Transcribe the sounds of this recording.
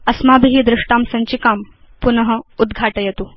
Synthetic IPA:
ɐsmaːbiɦiːd̪ɾuʂʈaːmsɐɲt͡ɕikaːm | punɐɦɐ̆ud̪ɡʱaːʈɐjɐt̪uː

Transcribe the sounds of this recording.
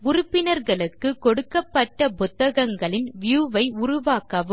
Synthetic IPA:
ɡʊrʊpːɪnɐɾɣɐɭɯkːɯkɔɽɯkːɐpːɐʈːɐpʊt̪ːɐɣɐŋɡɐɭɪnʋɪjuːʋɐɪʊrʊʋaːkɐʋɯ

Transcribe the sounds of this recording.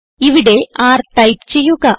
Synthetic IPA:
iʋiɽeaːrʈɐjpt͡ɕejːuɣɐ

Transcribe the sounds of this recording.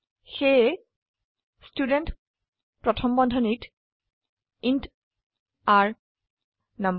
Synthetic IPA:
xe | studɛnt | pɹɔtʰɔmbɔndʱɔnit | int | aɹ | nam

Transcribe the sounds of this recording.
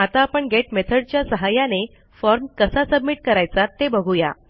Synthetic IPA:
at̪aːpəɳɡeʈmet̪ʰəɽ̚t͡ɕjasəɦajane | fɔɾmkəsasəbmiʈ̚kəɾajt͡sat̪ːebəɡʱuja̰

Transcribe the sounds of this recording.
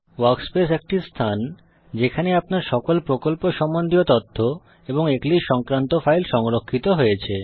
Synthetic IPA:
waɾkspesek̚ʈist̪ʰan | d͡ʑekʰaneapnaɾʃɔkolpɾokolpoʃɔmːond̪ʱiot̪ot̪ʰːo | eboŋekliʃɔŋkɾant̪ofajlʃɔŋɾokʰːit̪oɦojet͡ɕʰe

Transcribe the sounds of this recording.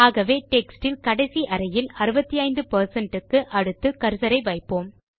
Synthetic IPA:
aːɣɐʋeːʈɛksʈɪlkɐɽɐɪsiʔɐɾɐjɪlɐɾɯbɐt̪ːijɐɪnd̪ɯpɐɾsɐɳʈɯkːɯʔɐɽɯt̪ːɯkɐɾsɐɾɐɪʋɐɪpːoːm

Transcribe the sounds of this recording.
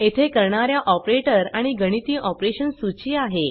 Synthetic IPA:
et̪ʰekəɾɳaɾjaʔɔpɾeʈəɾaɽ̃iɡəɽ̃it̪iːʔɔpɾeɕənsut͡ɕiːaɦe

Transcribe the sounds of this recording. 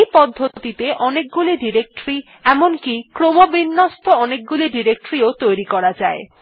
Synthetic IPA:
jpɔd̪ʱːot̪it̪eʔɔnek̚ɡuliɖiɾek̚ʈɾi | ɛmonkikɾomobinːost̪ʰoɔnek̚ɡuliɖiɾek̚ʈɾiot̪ojɾikɔɾad͡ʑae

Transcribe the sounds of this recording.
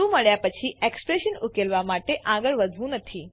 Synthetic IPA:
ũːməɭjapət͡ɕʰiʔekspɾeɕənukelʋamaʈeʔaɡəɭʋəd͡zʱʋũnət̪ʰiː

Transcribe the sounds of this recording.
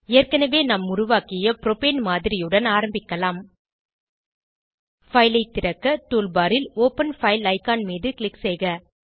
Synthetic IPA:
eːrkɐnɐʋeːnɐmʊɾʊʋaːkɪjɐpɪɾɔpeːnmaːðɪɾɪjɯɽɐnaːɾɐmbɪkːɐlaːm | fɐɪlɐɪt̪ːɪɾɐkːɐʈuːlbaːɾɪloːpɐnfɐɪlɐɪkaːnmiːðɯklɪksɛɪɣɐ

